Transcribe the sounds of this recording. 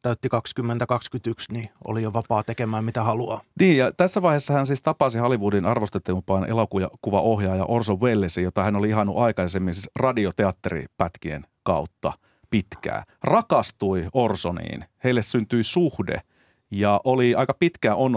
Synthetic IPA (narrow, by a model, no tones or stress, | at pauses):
t̪æyt̪ːikɑkskymːent̪ækɑkskyt̪yksnio̰lijoʋɑpɑːt̪ekemæːmmit̪æhɑluɑ̰niːjjɑt̪æsːæʋɑihesːɑhænsiːst̪ɑpɑsihɑlːiʋuːdinɑrʋost̪et̪ːmpɑːnʔḛlokujɑ̰kuʋɑʔohjɑːjɑ̰ʔorsoʋwelːesijot̪ɑhænoliiɦɑnːṵʔɑikɑsemːinsisrɑdiot̪eɑt̪ːerḭpæt̪kiḛnkɑut̪ːɑ̰ | pit̪kæ̰ː | rɑkɑst̪uiorsonḭːnheilːessynt̪yisuhdḛ | jɑʔoliɑikɑpit̪kæon